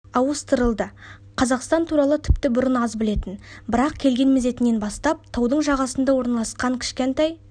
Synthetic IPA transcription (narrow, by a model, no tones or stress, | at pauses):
ɑwəst̪əɾəlˠd̪ə | qʰɑzɑqst̪ɑnt̪ʰuɾɑlˠət̪ʰʏpt̪ɪbʊɾənɑzbɪle̞t̪ɪnbɪɾɑqkʲʰe̞lɡʲe̞nmeze̞t̪ɪnːe̞nbɑst̪ɑp̚t̪ʰɑwd̪əɴʒɑʁɑsənd̪ɑwo̞ɾnɑlˠɑsqɑŋkʲʰɪ̥ʃkʲent̪ɑj